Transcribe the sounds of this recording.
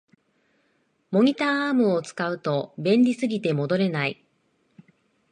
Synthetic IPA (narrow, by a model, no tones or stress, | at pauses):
mo̞ɲ̟ʲit̪aːaːmɯ̟o̞t͡sɨ̥kaɯ̟t̪o̞bẽ̞nʲɾʲisɨɡʲit̪e̞mo̞d̪o̞ɾe̞nai